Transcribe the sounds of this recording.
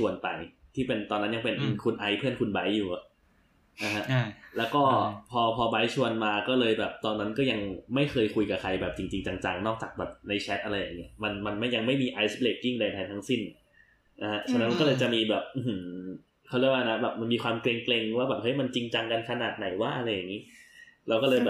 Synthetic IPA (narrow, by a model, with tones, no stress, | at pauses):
su˨˧ənpa˨˩jt̪ʰiː˥˩pe˧nt̪ɔː˧nːa˦˥nja˧ŋpe˧n˧kʰu˧nʔa˧jpʰɯ˥˩ənkʰu˧nba˦˥jːuː˨˩ʔa˨˩ʔ | na˧ha˦˥ʔlɛː˦˥wkɔː˥˩pʰɔː˧pʰɔː˧ba˦˥jt͡ɕʰu˧ənmaː˧kɔː˥˩lɤː˧jbɛː˨˩p̚t̪ɔː˧nːa˦˥nkɔː˥˩ja˧ŋma˥˩jxʰɤː˧jkʰu˧jka˨˩kʰa˧jbɛː˨˩p̚t͡ɕi˧ŋt͡ɕi˧ŋt͡ɕa˧ŋt͡ɕa˧ŋnɔː˥˩k̚t͡ɕaː˨˩k̚bɛː˨˩p̚na˧jt͡ɕʰɛ˦˥ʔa˧ɾa˧jːa˨˩ŋːi˦˥ɐma˧nma˧nma˥˩ja˧ŋma˥˩jmiː˧ʔa˧˥jspleː˨˩k̚kːi˥˩ŋda˧jt̪ʰa˧jt̪ʰa˦˥ŋsi˥˩n | na˧ha˦˥ʔt͡ɕʰa˧na˦nma˧nkɔ˥lɤː˧jt͡ɕa˨˩ʔmiː˧bɛː˨˩p̚ʔɯ˧hɯ˩˦ | kʰa˥˩ɾlkwaː˥˩na˦˥bɛː˨˩p̚ma˧nmiː˧kʰwaː˧mkle˧ŋkle˧ŋwaː˥˩bɛː˨˩p̚hɤ˦˥jma˧nt͡ɕi˧ŋt͡ɕa˧ŋka˧nkʰa˧naː˨˩t̪̚na˨˩˦jwaː˥˩ʔa˧ɾa˧jːa˨˩ŋːiː˦˥ɾɛ˧wkɔː˥˩lɤː˧jbɛː˨˩